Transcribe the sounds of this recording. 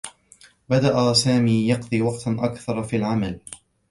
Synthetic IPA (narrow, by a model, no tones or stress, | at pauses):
bad̪aʔasaːmiːjɑqd̪ˤiːwɑqt̪ʔakθɑɾˤfiːlʕamal